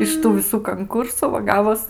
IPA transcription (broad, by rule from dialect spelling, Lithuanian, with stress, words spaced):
ɪʃ ˈtuː ʋʲɪˈsuː kɐŋˈkʊrsʊ ʋɐ ˈɡɑːʋoːs